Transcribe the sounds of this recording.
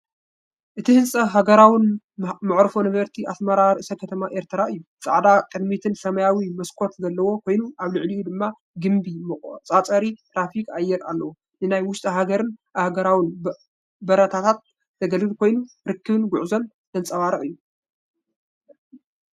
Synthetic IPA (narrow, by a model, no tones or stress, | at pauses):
ʔɨt̪ʰihɨnsʼɐɦaɡɐɾawin | mɨʕɾɨfonɨβɐɾt̪ʰiʔasmɐɾaɾɨʔɨsɐkʰɐt̪ʰɐmaʔeɾt̪ʰɨɾaɨjːut͡sʼa̰ʕd̪akʼɨd̪mit̪ʰɨnsɐmɐjawimɐskʰo̞t̪zɐlːɐwo̞kʰo̞jnuʔaβlɨʕliʔud̪ɨmːa | ɡɨmbimɨkʼt͡sʼat͡sʼɐɾit̪ʰɾafikajːɛɾalːɐwo | nɨnajwʊʃt̪ʼɐɦaɡɐɾɨnahɡɐɾawin | bɐɾɐt̪ʰat̪ʰat̪̚ | zɐɡɐlɡɨlkʰo̞jnu | ɾɨkːɨβɨnɡʊʕzo̞n | hɨnt͡sʼɐwaɾɨʔʼɨjːu